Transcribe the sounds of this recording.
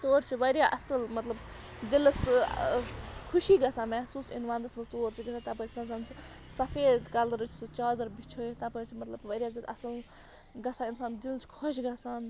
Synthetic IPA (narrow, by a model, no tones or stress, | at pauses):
t̪oːɾt͡ʃʰiʋɐɾjaʔɐsəlmɐt̪lɐb | d̪ils | kʰuʃiːɡɐsaːmɛɦsuːsḭnʋaːnd̪ɐsmɐt̪oːɾt͡ʃʰiɡɐsʰat̪ɐpɐɾʰsɐnsaːnssɐpʰeːd̪kɐlɾut͡ʃʰst͡ʃaːzɐɾbit͡ʃʰot̪ɐpɐɾʲt͡ʃʰimɐt̪lɐbʋɐɾʲjaːzit̪ɐsɐl | ɡɐsʰaːinsaːnd̪ilt͡ʃʰi̥kʰɔʃɡɐsaːn